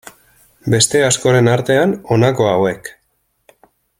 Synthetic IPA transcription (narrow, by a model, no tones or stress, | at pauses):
be̞st̪e̞asko̞ɾe̞naɾt̪e̞ano̞nako̞awe̞k